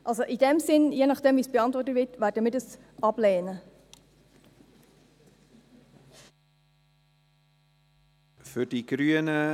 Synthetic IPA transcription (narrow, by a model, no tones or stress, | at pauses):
ʔɑlsoʔidɛmsɪnjeːnɑχd̥ɛːmvisb̥eɑntvɔrtətvɪtvæːɾdəmiːdəs | ʔɑb̥leːnə | fydiɡɾyənə